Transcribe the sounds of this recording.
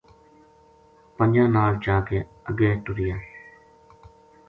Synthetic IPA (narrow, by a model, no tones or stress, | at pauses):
pəɲd͡ʒãːnaːld͡ʒaːkeː | əɡːeːʈʊɾɪjaː